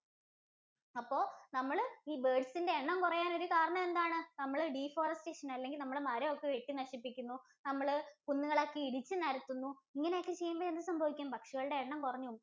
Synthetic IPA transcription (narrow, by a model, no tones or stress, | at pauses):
ɐpːo̞ːnɐmːɐɭiːbeːɖsinde̞eɳːɐmkurɐjaːno̞ɾukaːɾɐɳɐme̞nd̪aːɳɨnɐmːɐɭɖiːfoːrɐste̞ːʂɐnɐlːe̞ŋɡilnɐmːɐɭmɐɾɐokːeʋeʈːinɐʂipːikʲːunːu | nɐmːɐɭɨpunːuɣɐɭɐkːeiɽit͡ɕːɨnɐɾɐt̪ːunːuiŋːɐneokːet͡ɕejːumboːend̪ɨsɐmbʱɐʋikʲːumːbɐkʂiɣɐɭɨɽe̞eɳːɐmkurɐɲːu